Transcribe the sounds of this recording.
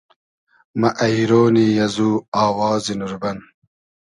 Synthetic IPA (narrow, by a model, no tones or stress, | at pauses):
mɐʔɐiɾoːniːjɐzuːaːwaːzinuɾbɐn